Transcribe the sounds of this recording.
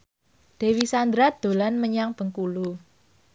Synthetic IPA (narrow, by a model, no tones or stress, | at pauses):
d̪̥e̤wisand̪ɾad̪̥o̤lanməɲaŋb̥ə̤ŋkulu